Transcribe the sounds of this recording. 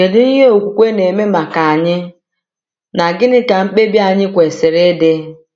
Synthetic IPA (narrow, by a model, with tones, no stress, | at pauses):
ke˨dɪ˦n̩˦ɦe˦o˨kʷu˨kʷe˦ne˨me˦ma˨ka˨a˨ɲɪ˦ | na˨ɡɪ˦nɪ˦ka˨m̩˦k͡pe˦bja˨ɲɪ˦kʷe˨sɪ˨ɾe˦de˦